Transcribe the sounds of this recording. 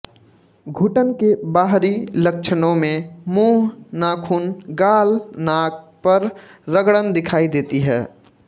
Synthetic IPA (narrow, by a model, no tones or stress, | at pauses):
ɡʱuːʈənkebaːɦɾilək̚t͡ʃʰənõmẽmuːɦnaːkʰuːnɡaːlnaːk̚pəɾːəɡɽənd̪ɪkʰaːid̪eːt̪iɦɛː